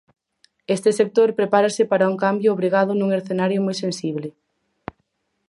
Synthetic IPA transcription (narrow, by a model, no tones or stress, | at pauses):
est̪ɪsek̚t̪oɾpɾepaɾasɪpaɾauŋkambjʊːβ̞ɾiɣ̞aðʊnũŋeɾθenaɾjʊmojsensiβ̞le